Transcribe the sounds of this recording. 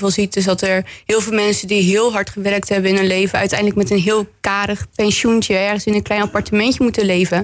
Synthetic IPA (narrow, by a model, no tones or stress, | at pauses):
vɑlˠzitdɪsdɑtɛɹɦɪːlˠvɪːlˠmɛnsədiɦɪːlˠɦɑɹtχəʋɛɹk̚tɦɛbəɪnɦɵnlejvəœ̰ɥtɛjndlək̚mɛtənɦɪːlˠkaːɾəχpɛnʃuntəɛɹχənsɪnənklɛjnɑpɑɹtəmɛntəmutəlejvə